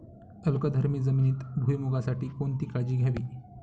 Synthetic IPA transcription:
əlkəd̪ʱəɾmiːd͡zəminiːt̪bʱujmuɡasaʈiːkoɳt̪iːkad͡ʑiːɡʱjaʋiː

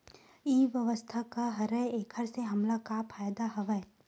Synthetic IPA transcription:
iːʋjɐʋəst̪ʰakaɦɐɾəeːkʰəɾseɦɐmlakapʰaːjd̪aɦɐʋɛː

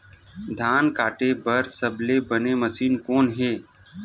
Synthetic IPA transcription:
d̪ʱaːnkaːʈebɐɾsɐblebəneməsiːnkɔːnɦeː

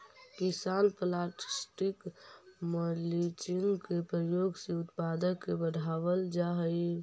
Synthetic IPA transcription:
kisanpəlaʈi̥sʈikməlit͡ʃinkepɾəjoɡsẽut̪pad̪əkːebəɽ̤ʱaʋəld͡ʒaɦəj

